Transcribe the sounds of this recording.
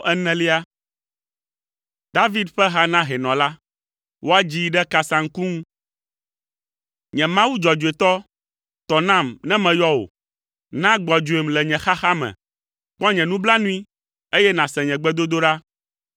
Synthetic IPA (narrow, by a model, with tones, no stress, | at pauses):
ɛ˦nɛ̃˦li˦a˦ | d̪a˦vi˦d̪ɸɛ˦ɦa˦nã˦ɦɛ˨nɔ̃˨la˦ | wʔo˦a˦d͡ʑi˦ɖɛ˦ka˦sã˨ŋ̩˦ku˦ŋũ˦ | ɲɛ̃˨mã˦wu˦d͡ʒɔ˨d͡ʒu˨e˨t̪ɔ˦ | t̪ɔ˨nã˦mnɛ̃˦mɛ̃˨jɔ˦o̰˨ | nã˦ɡ͡bɔ˨d͡ʒu˨e˨mlɛ˨ɲɛ̃˨xa˦xa˦mɛ̰̃˨ | k͡pɔ˦ɲɛ̃˨nũ˦bla˦nũ˦i˦ | e˦jɛ˦nã˨sɛ̃˨ɲɛ̃˨ɡ͡bɛ˦d̪o˦d̪o˦ɖa˦